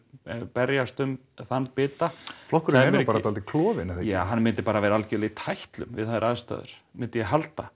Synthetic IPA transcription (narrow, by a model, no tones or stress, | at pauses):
pɛɾjast̪ʏm | θanːpɪːt̪aflɔhkʏɾɛpaːɾat̪alt̪ɪkʰlɔːvɪnaθjaːɦanːmɪnt̪ɪpaːɾavɛːɾaalcɪliit̪ʰajht̪lʏ̰mvɪ̰ðθaðɾʔaðst̪œ̰ːðʏ̰ɾ̥mɪnt̪ɪjɛɦalt̪a